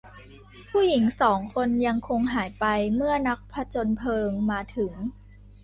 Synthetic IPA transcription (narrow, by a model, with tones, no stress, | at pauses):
pʰuː˥˩ji˩˦ŋsɔː˩˦ŋkʰo˧nja˧ŋkʰo˧ŋɦaː˩˦jpa˧jmɯ˥˩ɐna˦˥k̚pʰɾa˧˥t͡ɕo˧npʰɤː˧ŋmaː˧t̪ʰɯ˩˦ŋ